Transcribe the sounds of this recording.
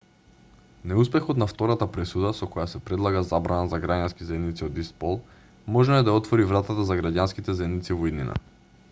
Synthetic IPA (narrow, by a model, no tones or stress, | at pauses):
nɛuspɛxot̪naft̪ɔɾat̪apɾɛsud̪asɔkɔjasɛpɾɛd̪lˠaɡazabɾanazaɡɾaɟanskizaɛd̪nit̪siod̪ist̪polˠ | mɔʒnoɛd̪aɔt̪vɔɾivɾat̪at̪azaɡɾaɟanskit̪ɛzɛd̪nit̪sivoid̪nina̰